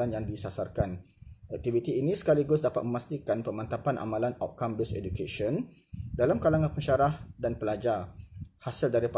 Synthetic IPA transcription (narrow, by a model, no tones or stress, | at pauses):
anjaŋdisasarkanɛk̚t̪ivit̪iːnĩsə̥kaliɡʊsdapat̪̚məmast̪ikanpəmãnt̪apanʔa̰mãlana̰wt̪̚kambɪsɛ̰dukeʃɔn | dalamkalaŋanpəɲʃaɾahdanpəlad͡ʒarhasəldaɾip